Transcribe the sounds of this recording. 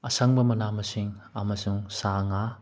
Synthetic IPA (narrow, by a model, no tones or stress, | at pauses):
ɐsɐŋbɐmɐnamɐsiŋɐmɐsuŋsaŋa